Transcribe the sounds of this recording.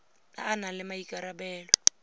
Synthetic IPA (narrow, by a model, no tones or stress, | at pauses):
a̰ːnalɪmaikʼaɾabɛːlwɔ